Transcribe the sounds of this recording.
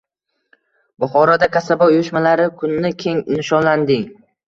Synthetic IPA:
bʊχɒɾɒd̪akʲʰasabɒʊjʊʃmalaɾɪkʰʊnːɪkʲʰe̞ŋnɪʃɒnland̪ɪŋ

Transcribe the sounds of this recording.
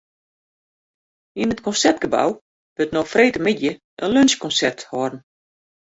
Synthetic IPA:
inətkɔnsɛrtɡ̥əba̰w | b̥øtnoxfreːtəmidjə | ʔənlønskɔnsɛrthɔdn̩

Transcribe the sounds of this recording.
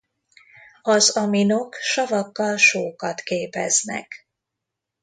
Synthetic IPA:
ɒzɒmino̞kʃɒvɒkːɒlʃoːkɒt̪keːpɛ̰znɛ̰k

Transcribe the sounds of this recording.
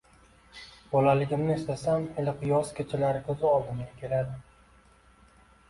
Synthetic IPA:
bɒlalɪɡʲɪmnɪːst̪asamɪlɪqʰɨjɒskʲʰet͡ʃʰɪlaɾɪkʲʰɵzɪɒlˠd̪ɪmɡʲakʲʰe̞lad̪ɪ

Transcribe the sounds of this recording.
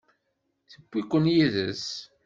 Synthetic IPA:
θəkʷːikʷːənjiðəs

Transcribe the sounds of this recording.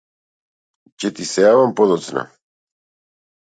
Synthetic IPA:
cɛt̪isɛjavampod̪ot͡s̪na̰

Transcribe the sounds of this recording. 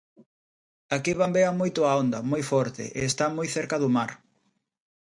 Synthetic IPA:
akiβambeamojt̪ʊaond̪ɐmojfɔɾt̪ḛʔeːst̪amojθeɾkɐðʊmaɾ

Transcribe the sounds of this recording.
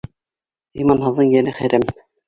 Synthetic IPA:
imɑnhɤ̆ðːɤŋjænɘχæɾæm

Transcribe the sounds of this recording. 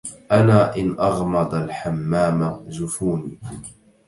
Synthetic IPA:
ʔanaːʔɪnʔɑɣmɑd̪ˤalħamːaːmazʊfuːniː

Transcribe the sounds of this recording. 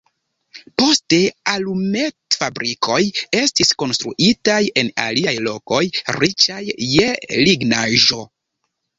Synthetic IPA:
po̞ste̞alume̞tfabɾikʰo̞je̞stisko̞nst̪ɾuʔitaje̞na̰liajlo̞ko̞jɾit͡ʃajːeliɡnaʒo̞

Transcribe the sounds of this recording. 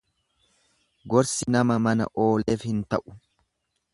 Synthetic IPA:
ɡɔɾsɪnɐmɐmɐnɐ̰ʔo̞ːle̞ːfhɪnt̪ɐʔʊ̥

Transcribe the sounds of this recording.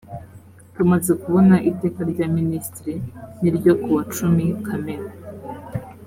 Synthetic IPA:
tumaze̞kuβo̞naʔite̞ːkaɾɟaːministɾiniɾɟo̞kuwat͡ʃumikʰameɾa

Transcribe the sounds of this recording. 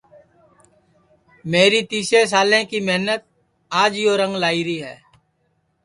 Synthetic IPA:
meːɾiːt̪iːseːs̬aːlẽːkiːmɛɦnət̪̚ | aːd͡ʒjoːɾə̃ŋɡlaːiːɾiːɦɛ̰ː

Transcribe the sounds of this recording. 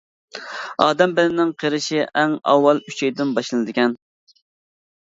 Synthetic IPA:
ɑːd̪ɛmbɪlɪnɪŋqʰeɾɪʃiʔɛŋɑ̰wːɑlˠyt͡ʃʰɛjd̪ɪnbɑʃlˠɨnɨd̪ɪkʲʰɛn

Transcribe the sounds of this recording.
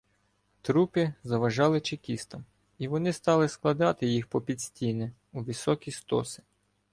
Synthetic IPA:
t̪ɾupɪzɐʋɐʒɑlˠɪt͡ʃɪkʲist̪ɐm | iʋɔnɪst̪ɑlˠɪsklˠɐd̪ɑt̪ɪjixpɔpʲid̪ʲsʲtʲijnɛ | uʋʲisɔkʲijst̪ɔ̰sɪ̥

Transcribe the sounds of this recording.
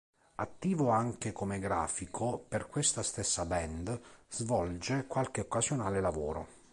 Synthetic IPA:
at̪ːiːvoaŋk̟ekomeɡɾaːfikʰoperkwest̪ast̪esːabɛnd̪z̥vɔld͡ʒekwalk̟eokːazjonaːlelavɔːɾo̰

